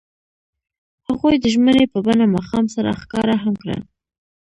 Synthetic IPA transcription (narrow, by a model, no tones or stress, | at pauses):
haɣojd̪əʒmənepəbanamɑxɑmsaɾa̰xkɑɾaɦamkɽa̰